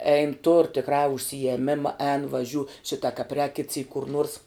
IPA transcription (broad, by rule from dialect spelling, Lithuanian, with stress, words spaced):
ɛɪn tʊr tʲɪkˈrɑː ʊʃʲsʲɪjɛˈmʲɪmɐ ɛːn ʋɐˈʒʲuː ˈʃʲɪtɐ kɐp rʲɛːk kʲɪt sʲiːk kʊr nuɔrs